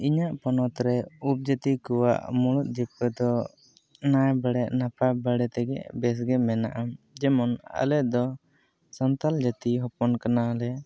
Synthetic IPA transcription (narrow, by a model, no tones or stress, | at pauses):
iɲaʔpɔnɔt̪ɾɛup̚d͡ʒat̪ikuwa̰ʔmuɽut̪̚d͡ʒɛpːɛd̪ɔ | najbəɽɛʔnapabəɽɛt̪ɛɡɛ̰ʔbɛs̬ɡɛmɛna̰ʔam | d͡ʒɛmɔna̰lɛd̪ɔ | sɔnt̪ald͡ʒat̪iɦɔpɔnkanalɛ